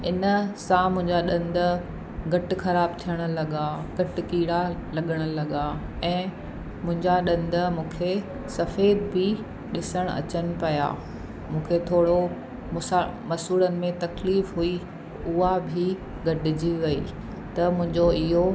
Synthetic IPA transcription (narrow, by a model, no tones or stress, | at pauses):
ɪnəsãmʊ̃ɦɪ̃ɲd͡ʑaɗɐ̃nd̪ə̆ | ɡʱɐʈɪ̆xɐɾaːb̚t̪ʰijəɽ̃ə̆lɐɠaɡɐʈɪ̆kiːɽalɐɠəɽ̃ʊ̆lɐɠaɛ̃ː | mʊ̃ɦɪ̃ɲd͡ʑaɗɐ̃nd̪ə̆mũːkʰe | sɐfeːd̪bʱɪ | ɗɪsəɽ̃ɐ̰t͡ɕənɪ̆pɐja̰ː | mũːkʰet̪ʰoːɽo | mʊsamɐsuːlənɪ̆mẽt̪ɐkliːfɦui | ʊɦabʱi | ɡʱɐʈɪd͡ʑiʋɐḭː | t̪ɐmʊ̃ɦɪ̃ɲd͡ʑoɪɦo